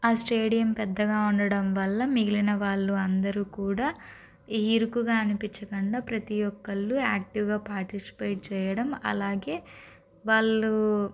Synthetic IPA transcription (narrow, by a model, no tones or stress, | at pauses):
aːsʈeːɽijɐmpɛd̪ːɐɡaːuɳɖɐɽɐmʋɐlːɐmiɡilinɐʋaːɭːuɐnd̪ɐɾuːkuːɽaː | iːɾukuɡaːɐnupiɲt͡ʃːɐkɐɳɖaːpɾɐt̪ijɔkːɐɭːuaːk̚ʈiʋɡaːpaːɾʈisi̥peːʈ̚t͡ʃɛːjɐɽɐmɐ̰laːɡe̞ː | ʋaːɭːu